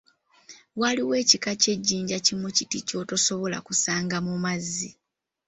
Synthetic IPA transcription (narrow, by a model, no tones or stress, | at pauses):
waliwe̞ːcikace̞ɟːiːɲɟacimucitico̞ːto̞so̞βo̞la̰kusaːŋɡamumazːi